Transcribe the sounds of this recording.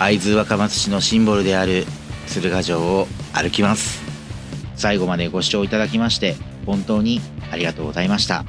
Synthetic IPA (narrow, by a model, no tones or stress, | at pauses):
aid͡zɨːβakamat͡sɨ̥ɕino̞ɕĩmboɾɯ̟d̪e̞aɾɯ̟t͡sɨbɯ̟ɡaʑo̞ːaɾɯ̟kʲimasɨ̥ | saiɡo̞mad̪e̞ɡo̞ɕi̥t͡ɕo̞ːit̪ad̪ak̬ʲimaɕi̥t̪e̞ | hõ̞nt̪o̞ːɲ̟iaɾʲiɡat̪o̞ːɡ̞zaimaɕi̥t̪a̰